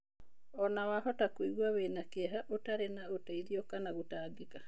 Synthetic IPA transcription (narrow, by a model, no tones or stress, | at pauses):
ɔnawahɔtakwiɣwaβeːnakeaɦaʔotaɾenaotaiɾiɔkanaɣotaːɡeka